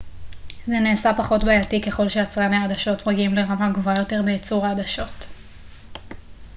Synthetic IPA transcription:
zeneːsapaχo̞tbejatike̞χo̞lʃeat͡sʁanaːdaʃo̞tmaɡiimleʁamaɡvajo̞te̞ʁbeːt͡suʁadaʃo̞t

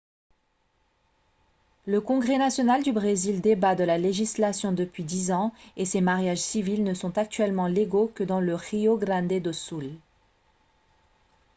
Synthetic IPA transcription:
ləkɔ̃ɡʁenasjɔnald̪ybʁezild̪ebad̪əlaleʒislasjɔ̃d̪əpɥid̪izɑ̃esemaʁjaʒsivilnəsɔ̃t̪ak̚t̪ɥɛlmɑ̃leɡokəd̪ɑ̃ləʁioɡʁɑ̃d̪ed̪osul

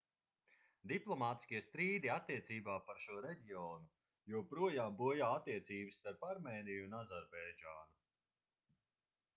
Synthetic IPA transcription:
d̪iplˠɔmaːt̪i̥skʲiɛst̪ɾiːd̪iat̪ːiɛt̪siːbaːpaɾʃuɔɾeɟiɔːnu | juɔpɾuɔjaːmbuɔjaːat̪ːiɛt̪siːbɨsːt̪aɾpaɾmɛːnijunazaɾbɛjd͡ʒaːnu

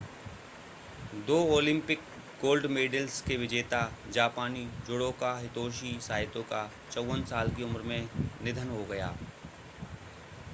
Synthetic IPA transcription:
d̪oːoːlɪ̃mpɪk | ɡoːlɖmeːɖəlskeʋɪd͡ʒeːt̪ad͡ʒaːpaːnid͡ʒʊɽõkaɦɪt̪oːʃisaːjɪt̪õka | t͡ʃəwənsaːlkiʊmɾmẽnɪd̪ʱənɦoɡɐja̰ː

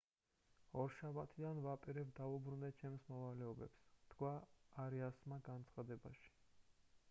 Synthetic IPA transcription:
ɔɾʃabat̪ʰid̪anvapʼiɾɛb̚d̪aubɾund̪ɛt͡ʃʰɛmsmɔvalɛɔbɛ̰pst̪ʰkʰwaːɾiasmaɡant̪sʰχad̪ɛba̰ʃi̥

